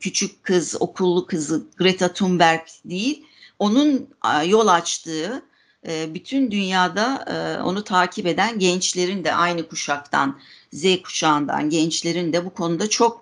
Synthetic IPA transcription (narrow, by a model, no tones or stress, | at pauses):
cʰyt͡ʃʰyc̚kʰːɯzo̞̰kʰulˠːukʰɯzɯɡɾet̪ʰat̪ʰumbæɾkd̪ejilʲ | o̞nunjo̞lˠat͡ʃt̪ʰɯː | byt̪ʰynd̪ynjaːd̪ao̰nut̪ʰaːcʰipe̞d̪ænɟɛnt͡ʃlʲe̞ɾind̪ɛʔajnɯkʰuʃakt̪ʰa̰nzɛjkʰu̥t͡ʃʰaːnd̪a̰nɟɛnt͡ʃlʲe̞ɾind̪ɛbukʰo̞nud̪at͡ʃʰo̞k̚